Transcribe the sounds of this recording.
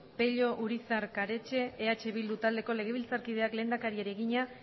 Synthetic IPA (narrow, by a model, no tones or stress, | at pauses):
pe̞ʎo̞ʔuɾisaɾkaɾe̞t͡ʃe̞ːat͡ʃe̞βild̪ut̪ald̪e̞ko̞le̞ɣ̞e̞β̞ilt͡saɾkið̞e̞akle̞ːnd̪akaɾieɾeɣiɲa